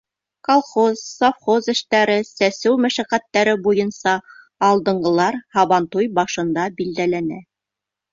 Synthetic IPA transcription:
kolˠχozsofχozɘ̆ʃt̪æɾɘsæsɘwmæʃæqæt̪ːæɾɘbujɤnsɑː | lˠd̪ɤ̆ɴɢɤ̆lˠɑɾhɑβɑnt̪ujbɑʃɤ̆nd̪ɑbild̪ælænæ

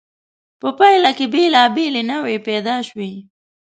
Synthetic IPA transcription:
pəpajlakebelɑbelenəwepɛd̪ɑʃwi

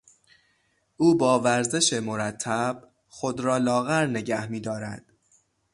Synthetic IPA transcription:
ʔuːbɒːvæɾze̞ʃe̞mo̞ɾæt̪ʰːæb̥ | xod̪ɾɒːlɒːɣæɾne̞ɟæhmiːd̪ɒːɾæd̪̥

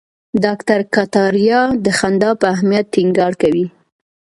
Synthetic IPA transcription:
d̪ɑkt̪aɾkat̪ɑɾjɑd̪əxand̪ɑpəaɦmijat̪ːiŋɡɑɽkawi

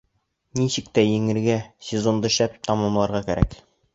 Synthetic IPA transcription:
niɕɘk̚t̪æjɘ̆ŋɘ̆ɾɡæsʲezond̪ɤʃæpt̪ɑmɑmlˠɑɾʁɑkæɾæ̰k

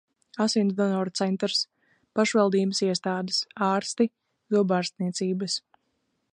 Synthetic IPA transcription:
asinsd̪ɔnɔɾt̪sɛnt̪ɾs | paʃvalˠd̪iːbəsiɛst̪aːd̪əsaːɾst̪i | zubaːɾst̪niɛt̪siːbəs

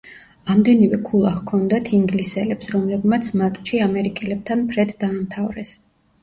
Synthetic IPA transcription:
amd̪ɛnivɛkʰulˠaχkʰɔnd̪at̪ʰiŋɡlisɛlɛpsɾɔmlɛbmat̪sʰmat̪ʼʃiamɛɾikʼɛlɛb̚t̪ʰanpʰɾɛd̪d̪aːmt̪ʰavɾɛs

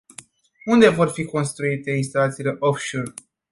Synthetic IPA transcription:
und̪e̞vo̞rfiko̞nst̪ɾuit̪e̞ins̬t̪alat̪sile̞ʔofʃor

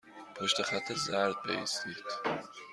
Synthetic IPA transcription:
pʰoʃt̪exæt̪ʰːezæɾd̪̥̚bḛist̪iːd̪̥

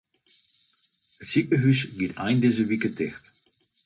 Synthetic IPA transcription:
əsikəɦysɡitʰa̰ɪndezəvikətʰɛχt

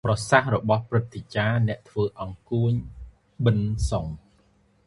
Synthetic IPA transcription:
prɑsahrɔɓɑhprɨt̪̚ʰːet͡ɕaːnɛ̆əʔt̪ʰʋəːʔɑŋkuəɲ | ɓɨnsoŋ

